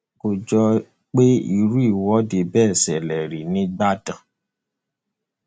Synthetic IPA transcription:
ko˨d͡ʒɔ˧ | k͡pe˦ḭ˧ɾu˦i˦˨wɔ˦de˧bɛː˦˨sɛ˨lɛ˨ɾi˨nĩ˦ɡ͡ba˦dã˨

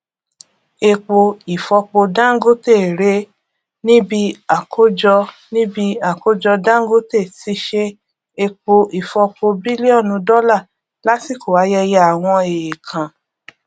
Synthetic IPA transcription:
e˧k͡po˧i˨fɔ˧k͡po˧dã˦ɡo˦te˦˨ɾe˦ | nĩ˦bi˦a˦˨kʰo˦d͡ʒɔ˧ | nĩ˦bi˧a˨ko˦d͡ʒɔ˧dã˦ŋ˦ɡo˦te˦˨ti˧˦ʃe˧ | e˧k͡po˧i˨fɔ˧k͡po˧bi˦li˦ɔ˦˨nũ˧dɔ˦la˦˨ | la˨˦si˦˨ko˨wa˨˦jɛ˧ja˧a˨w̃ɔ̃˧e˨je˨kʰã˨

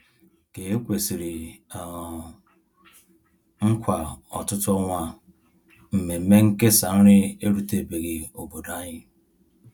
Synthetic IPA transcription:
ke˨e˦kʷe˨si˨ɾi˨ | ŋ̩˦kʷa˨ɔ̰˨tʊ˦tʊ˦ɔ˦ŋʷa˦ | m̩˨me˨˦me˦ŋ̩˦ke˦sa˨n̩˦ɾɪ˦e˦ɾu˦te˨be˨ɣi˨o˨bo˨da˦ɲɪ˦

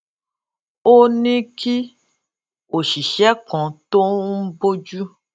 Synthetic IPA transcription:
o˦nĩ˦kʰi˦ | o˨ʃi˨ʃɛ˦kɔ̃˨to˦bo˦d͡ʒu˦

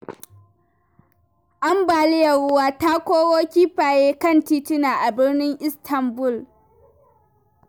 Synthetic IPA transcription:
ʔa˦mbaː˨lɪ˦jɐ˨ɽʊ˦waː˦ta˦kʷoː˦woː˦kʲiː˦ɸaː˨jeː˦kɐ˦˨ntiː˦tɪ˦naː˨ʔa˨bɪ˦rnɪ˦ŋʔɪ˦stʰɐ˨mbʊ˦˨l

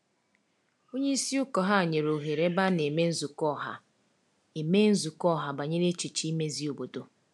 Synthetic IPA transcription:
o˦ɲe˦i˦si˦ʊ˦kɔ˨ɦa˦˨ɲe˨ɾo˨ɦe˨ɾe˦ba˦ne˨me˦n̩˦zu˨kɔ˦˨ɦa̰˨ | e˨me˦n̩˦zu˨kɔ˦˨ɦa˨ba˨ɲe˦ɾe˦t͡ʃi˨t͡ʃi˦me˦zi˦o˨bo˨do˨

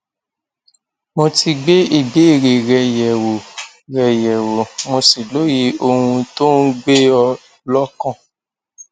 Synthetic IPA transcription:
mo˧ti˧ɡ͡be˦i˦˨be˨˦i˦˨ɾe˨ɾɛ˧jɛ˨wo˨ | ɾɛ˧jɛ˨wo˨mõ˧si˨lo˨˦ji˧o˧hũ˧to˦n̩˦ɡ͡be˦ɔ˧ | lɔ˦kɔ̃˦˨

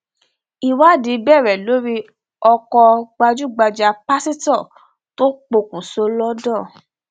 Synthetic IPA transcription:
i˨wa˦˨di˨˦bɛ˦˨ɾɛ˨lo˨˦ɾi˦ | ɔ˧kɔ˧ɡ͡ba˧d͡ʒu˦˨ɡ͡ba˧d͡ʒa˧pa˦si˦tɔ˦˨ | to˦k͡po˧kũ˨so˧˦lɔ˦dɔ˦˨

